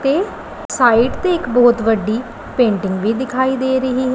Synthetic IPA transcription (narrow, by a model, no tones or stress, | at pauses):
t̪eː | saːiːʈt̪eːɪkbɔːt̪ʋəɖːiː | pẽːɳʈɪŋɡʋiːd̪ɪkʰaːiːd̪eːɾəɦiːɦɛ